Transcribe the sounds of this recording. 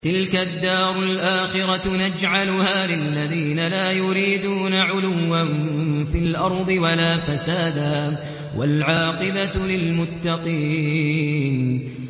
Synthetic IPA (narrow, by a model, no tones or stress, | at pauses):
t̪ɪlkad̪ːɑːɾˤʊlʔaːxɪɾanad͡ʒʕalʊhaːlɪlːaðiːnalaːjʊɾiːd̪uːnaʕʊlʊwːanfɪlʔɑɾˤd̪ˤɨwalaːfasaːd̪aː | wʔa̰lʕɑːqɪbalɪlmʊt̪ːɑqiːn